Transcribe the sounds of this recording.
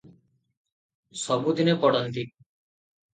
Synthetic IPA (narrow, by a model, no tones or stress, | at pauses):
sɔbud̪inepɔɽant̪i